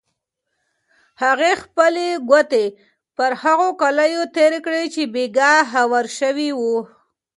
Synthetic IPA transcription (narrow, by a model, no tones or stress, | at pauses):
haɣexpəleɡat̪e | pəɾhaɣokaləjot̪eɾekɽet͡ʃebeɡaɦawaɾʃəwiwu